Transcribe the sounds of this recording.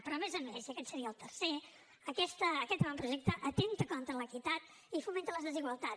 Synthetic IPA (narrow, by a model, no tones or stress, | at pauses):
pɾɔmezəmezəkɛt̪səɾiəːlˠt̪əɾse | əkɛst̪əːkɛt̪ɣɾampɾuʒɛk̚t̪əʔət̪ent̪əkɔnt̪ələkit̪at̪ | ifument̪ələzðəziɣwəlˠt̪a